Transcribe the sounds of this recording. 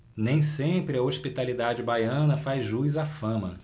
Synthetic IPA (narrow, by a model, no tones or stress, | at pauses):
nẽj̃sẽpɾɪɐoʃpit̪alid̪ad͡ʒɪbajɐ̃nɐfajzʒujzafɐ̃mɐ